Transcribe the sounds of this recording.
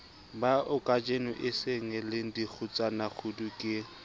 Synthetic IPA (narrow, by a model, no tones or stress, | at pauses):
baʔʊkʼad͡ʒenʊʔɪseŋɛlɪŋ̩dik͡xʰʊt͡sʼanak͡xʰʊdukʼɪ